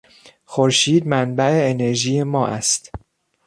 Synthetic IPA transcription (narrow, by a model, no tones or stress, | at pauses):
xoɾʃiːd̪̚mænbæeːne̞ɾʒiːje̞mɒːʔæ̰st̪